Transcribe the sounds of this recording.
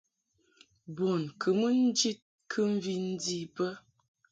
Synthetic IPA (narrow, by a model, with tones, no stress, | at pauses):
bo˨nkʰə˨mə˦n̩˦d͡ʒi˦t̚ | kʰɨ˦ɱ̩˦vi˦n̩˦di˦bə˦